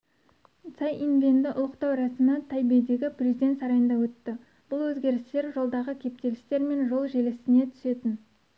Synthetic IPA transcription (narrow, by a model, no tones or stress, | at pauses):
t̪sɑjʔinvʲend̪ɪʔʊlˠəqt̪ɑwɾɑsɪmət̪ʰɑjbejd̪e̞ɡʲɪprʲezid̪et̪sɑɾɑjənd̪ɑwɵt̪ːɪ | b̥ʊlˠwɵzɡʲe̞ɾɪst̪e̞ɾʒo̞lˠd̪ɑʁəkʲʰe̞p̚t̪e̞lɪst̪e̞ɾme̞nʒo̞lˠʒelɪst̪ɪne̞t̪ʰʏ̥se̞t̪ɪn